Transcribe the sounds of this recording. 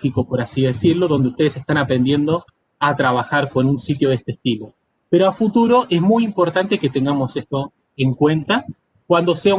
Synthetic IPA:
xikopo̞ɾasiðe̞siɾlo̞ðo̞nd̪eust̪eesest̪anapɾe̞nd̪je̞nd̪o̞ | at̪ɾaβaxaɾko̞nunsit̪joðest̪est̪ilo̞ | pe̞ɾoafut̪uɾo̞ʔe̞zmujimpo̞ɾt̪ant̪e̞ke̞t̪e̞ŋɡamo̞se̞st̪o̞ | eŋkwe̞nt̪a | kwand̪o̞se̞a

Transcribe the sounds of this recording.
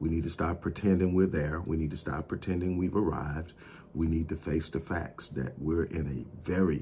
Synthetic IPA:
winid̚tʰɨstɑp̚ʰɹ̥itʰɛ̃ndɪ̃ŋwɪɹðə˞winid̚tʰɨstɑ̰pʰɹ̥itʰɛ̃ndɪ̃ŋwivə˞a̰ɪvd̚ | winid̚tɨfeɪsðɨfæ̰k̚tsðɨ̰ʔ̚wɪɹɪ̃nɨvɛɹi

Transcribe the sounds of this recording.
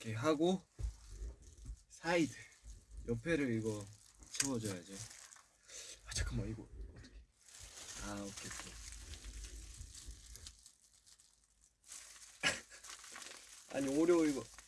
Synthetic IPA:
kʰeɦaɡo | sʰaidɯjʔʌpʰe̞ɾɯɾiɡʌt͡ɕʰebʌd͡ʑʌjad͡ʑi | ad͡ʑʰakʰɯmʌiɡʌʌt̪͈ʰʌ̥kʰe | aokʰekːo | a̰ɲioɾjʌiɡʌ

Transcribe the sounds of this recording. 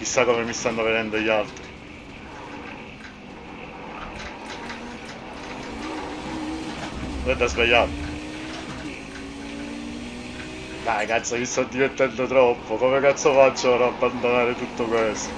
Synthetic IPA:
k̟isːakomemist̪anːoved̪ɛnd̪oʎalt̪ɾi | ɛd̪ːazbajːat̪ | dakat̪sːakist̪ad̪ːivert̪ɛnd̪ot̪ɾɔpːokoːmekat̪sːofat͡ʃːoɾaabːand̪onaːɾet̪ut̪ːokwest̪o

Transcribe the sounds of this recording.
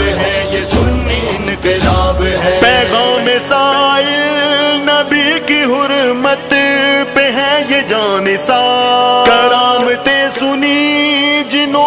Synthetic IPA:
ɦɛeʊinkabpɛːɣaːmesaːɪlnɐbikiɦʊɾmət̪peɦɛ̃jed͡ʒaːnesaːkɐɽaːmet̪esʊni | d͡ʒɪno

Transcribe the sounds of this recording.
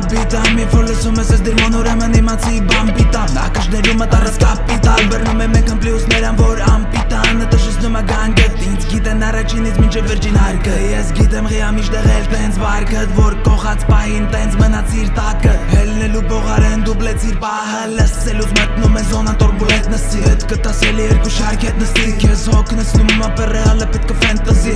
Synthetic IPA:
pit̪ɑmjɛfɔɾləsumɛsɛsd̪əɾmɔnɔɾɛmənimɑt͡sʰibɑmpit̪ɑmɑ̰kəʃnɛɾumət̪ɑrɛt͡skʰɑpit̪ɑlbərnumɛmɛkʰəmpljusnɛɾɑnvɔɾɑmpit̪ɑnət̪əʃɛt͡sʰnumɛɡɑŋɡə | int͡sʰɡit̪ɛnɑrɑt͡ʃʰinit͡sʰmint͡ʃʰɛvːəɾt͡ʃʰinɦɑɾkʰəjɛsɡit̪ɛmʁiɑmiʃd̪ɛʁɛlt̪ʰɛhɛnt͡sʰbɑɾkʰət̪vɔɾkɔχɑt͡sʰpɑɦint̪ɛnt͡sʰmənɑt͡sʰiɾt̪ɑkəɦɛlnɛlubɔʁɑɾɛnd̪ublɛt͡sʰiɾpɑɦələst͡sɛluvmət̪numɛzɔnat̪ɔɾbuɛt̪̚nəsiɛt̪kət̪ɑsɛlɛjɛɾkuʃɑɾkʰɛt̪̚nəsikʰɛshɔkʰnəsnummɛpərɛləpɛt̪̚kʰəfɛnt̪azi

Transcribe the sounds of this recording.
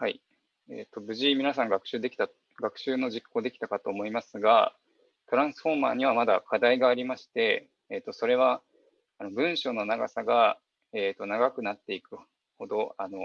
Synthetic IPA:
hai | ḛːt̪ːo̞bɯ̟ʑiːmʲinasãŋɡakɯ̟̥ɕɨːd̪e̞kʲt̪a | ɡakɯ̟̥ɕɨːno̞ʑikʰːo̞ːd̪e̞kʲi̥t̪akat̪o̞ːmo̞imasɨɡa̰ | t̪o̞ɾãɰ̃sɨ̥ɸo̞ma̰ːɲ̟iβ̞amad̪akʰad̪aiɡaːɾʲimaɕi̥t̪e̞ː | t̪ːo̞so̞ɾe̞βaː | no̞bɯ̟̃ɰ̃ɕo̞ːno̞naɡasaɡa | eːt̪ːonaɡakɯ̟nat̪ːe̞ikɯ̟ | ho̞d̪o̞ano̞

